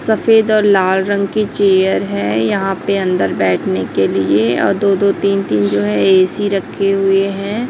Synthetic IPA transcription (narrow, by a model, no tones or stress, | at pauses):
sɐfeːd̪ɔːɾlaːlɾɐ̃ŋɡkit͡ʃeːjəɾɦɛ̃jɐɦãpeɐ̃nd̪əɾbɛːʈʰnekelieɔ̰ːɾd̪oːd̪ot̪iːnt̪iːnd͡ʒoːɦɛ̃eːsiɾɐkʰːeɦʊeɦɛ̃ː